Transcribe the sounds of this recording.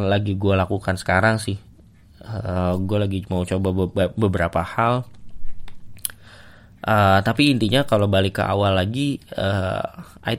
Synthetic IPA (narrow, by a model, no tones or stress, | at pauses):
laɡiɡualakukansə̥kaɾaŋsɪh | əɡualaɡimaut͡ʃobabəbəɾapahal | ʔət̪apiːnt̪iɲakalowbalɪkə̰ʔa̰walːaɡiə̰ | ʔa̰i